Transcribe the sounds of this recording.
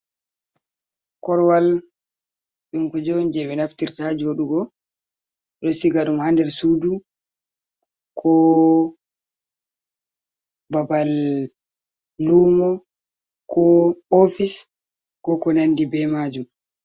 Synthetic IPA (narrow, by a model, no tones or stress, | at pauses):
kɔɾwal | ɗunkɔd͡ʒond͡ʒɛɓɛnaftiɾtad͡ʒiwoɗuɡɔ | ɗɔsiɡaɗumhandɛɾsudu | kʰɔ | babal | umɔ | kʰɔofis | kɔkɔnandibɛmad͡ʒum